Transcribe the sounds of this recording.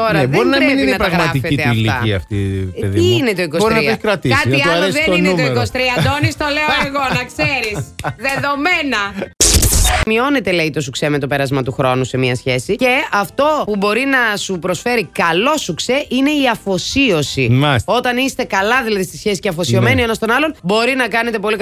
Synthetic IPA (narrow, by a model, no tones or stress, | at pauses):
t̪o̞ɾɐbðoɾinɐɾeniinɐtɾɐɣɣɾɐɐt̪ifeit̪elit̪ɐiɐft̪ieðiiinet̪o̞ikosbsoɾinɐeçi̥kɾɐt̪ikɐt̪iɐɐɾesenoinut̪eikost̪ɾiɐd̪onist̪o̞leooeɣo̞nɐkseɾisðeðo̞menɐ | mio̞ne̞t̪e̞leit̪o̞suksemet̪ope̞ɾɐzmɐt̪uxɾo̞nuse̞miɐsçe̞sice̞ɐft̪o̞pubo̞ɾinɐsupɾo̞sfe̞ɾikɐlo̞sukse̞ʔine̞iɐfo̞sio̞simɐso̞t̪ɐnist̪e̞kɐlɐðilɐðist̪isçesi̥ceɐfosio̞me̞nioenɐst̪o̞nɐlo̞nbo̞ɾinɐkɐne̞t̪̬e̞po̞lik